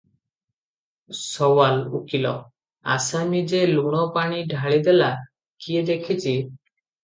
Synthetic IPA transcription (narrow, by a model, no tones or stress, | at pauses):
sɔwalṵkilɔ̰ | a̰samid͡ʒeluɽ̃ɔpaɽ̃iɖʱaɭid̪ɛla | kied̪ekʰit͡ʃi